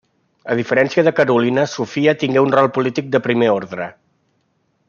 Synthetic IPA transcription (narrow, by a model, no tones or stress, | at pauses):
əð̞ifəɾɛnsiəðəkəɾulinəsufiət̪iŋɡɛunrɔlˠpulit̪ik̚d̪əpɾimeoɾðɾə